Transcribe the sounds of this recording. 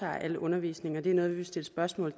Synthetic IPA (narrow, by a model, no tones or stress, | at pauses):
ɑ̰̈ːʔæləʔɔ̽nɐʋḭːsne̝ŋɐd̥e̝æɐnɔ̽ːðˠʋiesd̥e̝ləsb̥ɶɐsmɔ̰̽ːlð̩ˠ